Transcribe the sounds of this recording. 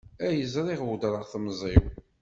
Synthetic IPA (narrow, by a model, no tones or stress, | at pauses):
æjəzɾˤɪʁwd̪ɾˤəʁθmzˤɪw